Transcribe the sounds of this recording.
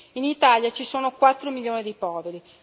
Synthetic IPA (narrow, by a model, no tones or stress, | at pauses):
init̪aːljat͡ʃisoːnokwat̪ːɾomiʎjoːnid̪ipɔːveɾi